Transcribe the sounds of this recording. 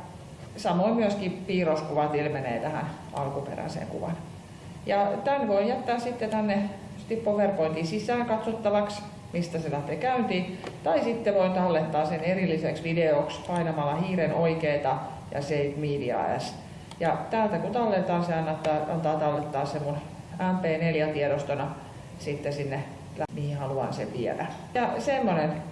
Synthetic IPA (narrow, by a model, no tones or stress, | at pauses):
sɑmoimmyøskipiːroskuʋɑt̪ilmenḛːt̪æhæ̰nɑ̰lkupḛræ̰sḛŋkṵʋɑ̰n | jɑt̪ænʋoijæt̪ːæːssit̪ːet̪ænːe | st̪ippoʋerpoint̪isisæːŋkɑt̪sot̪ːɑʋɑks | mist̪æselæht̪ekæynt̪iːt̪ɑisit̪ːeʋoint̪ɑlːet̪ːɑːsenerilːiseksʋideokspɑinɑmɑlːɑhiːrenoikeːt̪ɑ | jɑ̰seitmiːdiɑ̰æ̰s | jɑt̪æːlt̪ækut̪ɑlːet̪ɑːseɑnːɑt̪ːɑːɑ̰nt̪ɑːt̪ɑlːet̪ːɑːssemːun | æmpeːneljæt̪iɛɾost̪onɑ | sit̪ːesinːe | læmihihɑluɑ̰nsḛʋiɛ̰læ̰ | jɑsemːonen